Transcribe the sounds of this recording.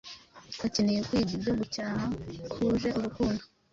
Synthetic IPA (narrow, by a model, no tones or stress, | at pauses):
kacinijekwiːɟibɟo̞ɡucaːhakʰuʒe̞ʔuɾukuːndo